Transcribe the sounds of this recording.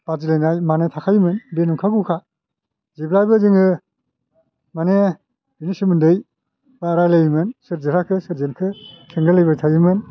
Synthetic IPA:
b̥azilejnajmanetʰakʰajmɯnbenuŋkʰaɡukʰa | ziblajbɯzɯŋɯ | mane | binisɯmɯndɯj | baɾajlejimɯnsɯɾziɾakʰɯsɯɾzenkʰɯkʰeŋɡɯlɯjbajtʰajɯmɯn

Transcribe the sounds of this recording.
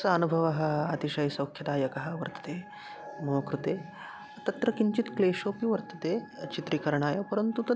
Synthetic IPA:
sɐɐnubʱɐʋɐɦɐat̪iʃɐjsɐwkʰjɐd̪aːjɐkɐɦɐʋɐɾt̪ɐ̥t̪e | mɐmɐkɾut̪eː | t̪ɐt̪ɾɐkiɲt͡ʃit̪kleːʃoːpiʋɐɾt̪ɐt̪et͡ʃit̪ɾikɐɾɐɳaːjɐpɐɾənt̪ut̪ɐ

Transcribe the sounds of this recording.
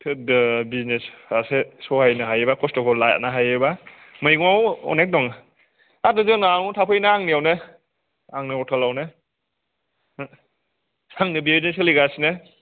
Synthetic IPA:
tʰɯdɯbiznesasesɔhajnɯɦajebakɔstɔkʰɔlaja̰naɦajeba | mɯjɡmawɔ̰nek̚dɔŋ | adɯzɯnaŋutʰapʰɯjnaaŋniawnɯ | aŋnɯɔtʰalawnɯ | saŋnɯbibzneseliɡasnɯ

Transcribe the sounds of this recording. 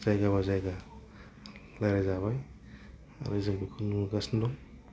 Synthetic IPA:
z̥ajɡaβazajɡa | lajɾazaβaj | a̰ɾɯzɯŋbikʰunuɡasndɔŋ

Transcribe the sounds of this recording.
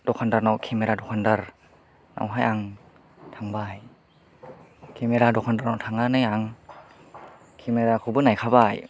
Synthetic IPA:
dokʰandaɾnawkʰemeɾaːdokʰandəɾ | nʔa̰wɦajʔaŋ | t̪ʰaŋbaːj | kʰemeɾaːdokʰandəɾnawt̪ʰaŋːanajaŋ | kʰemeɾaːkʰubɯːnajkʰawbaːj

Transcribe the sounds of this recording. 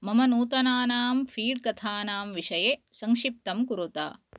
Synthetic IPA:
mɐmɐnuːt̪ɐnaːnaːmfʰiːɽkɐt̪ʰaːnaːmʋiʂɐjeːsɐŋkʂip̚t̪ɐmkuɾut̪a̰ː

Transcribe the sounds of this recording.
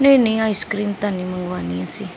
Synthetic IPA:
nẽĩnẽĩaːiskɾiːmt̪aːniːməŋɡʋaːniːasiː

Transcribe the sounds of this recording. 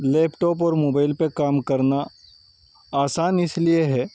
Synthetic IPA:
lɛːpʈɔːp̬ɔːɾmoːbaːɪlpekaːmkɐɾna | aːsaːnɪslieɦɛː

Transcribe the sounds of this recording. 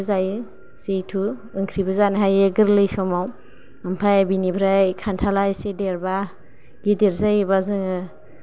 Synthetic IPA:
zajɯ | sejtʰuɯŋkʰɾibazanɦajɯɡɯɾlɯjsɔmaw | ɯmpʰajabinibʰʱɾajkʰantʰalajsedeɾba | ɡideɾzajɯbazɯŋɯ

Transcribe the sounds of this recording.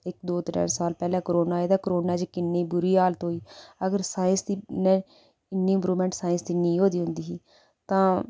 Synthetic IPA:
ɪkd̪oːt̪ɪɾə̰ːnsaːlpɛːlɛ̃ːkəɾoːnaːeːd̪ãːkəɾoːnaːd͡ʒkɪnːeːbʊɾiːaːlt̪ɦoːiːəɡəɾsaːɪ̃nsd̪iːnɛ̃ː | ɪnːiːɪ̃mpɾuːmɛ̃ːɳʈsaːɪ̃nsd̪iːnĩːɦoːd̪iːɦʊ̃nd̪iːɦiː | t̪ãː

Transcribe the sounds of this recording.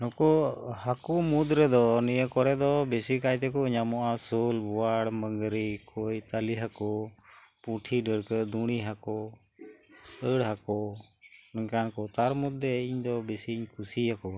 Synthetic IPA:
nɔkɔhakɔmud̪ɾəd̪ɔnijəkɔɾɛd̪ɔbesikajt̪ɛkɔɲamɔʔasolbɔwaɽməŋɡɾikʰɔjt̪aliɦakɔpũʈʰiɖəɽkəd̪uɽ̃iɦakɔ | əɽɦakɔ | nəŋkankɔt̪aɾmud̪ːeiɲd̪ɔbesiɲkʰusiɦakɔ

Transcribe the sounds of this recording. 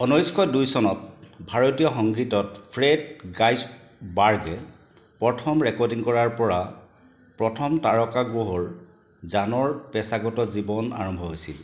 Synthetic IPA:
ɔnojskʰɔjdujsɔnɔt̚bʱaɹotijɔxɔŋɡitɔtpʰɹɛdɡajs | baɹɡɛ | pɹɔtʰɔmɹɛkɔɹdiŋkɔɹaɹpɔɹa | pɹɔtʰɔmtaɹɔkaɡɹoɦɔɹ | zanɔɹpɛsaɡɔtɔzibɔna̰ɹɔmbʱɔɦojsḭl

